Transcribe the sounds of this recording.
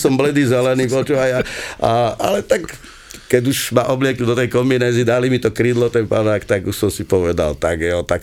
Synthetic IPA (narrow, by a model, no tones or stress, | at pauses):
sɔmblɛd̪iːzɛlɛniːpɔt͡ʃuajaaʔa̰lɛt̪ak | kɛɟuʃmaʔɔblɪɛkɲud̪ɔt̪ɛjkɔmbinɛːzid̪alimit̪ɔkɾiːd̪lɔt̪ɛnpanaːkt̪aɡusɔmsipɔʋɛd̪a̰lt̪aɡjɔt̪ak